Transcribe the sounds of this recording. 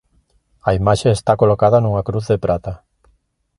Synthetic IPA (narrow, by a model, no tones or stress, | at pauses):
aimaʃeːst̪akolokaðanuŋakɾuθðepɾʔat̪a